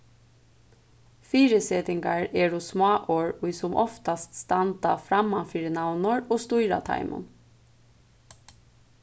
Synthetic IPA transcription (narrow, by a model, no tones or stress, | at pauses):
fiːɾɪseːt̪ɪŋkaɹɛɾʊsmɑːʔoːɹʊjsʊmʔɔft̪ast̪st̪ant̪a̰fɾamːanfiːɾɪnawnɔɹɔːst̪ujɾa̰t̪ʰa̰jmʊ̰n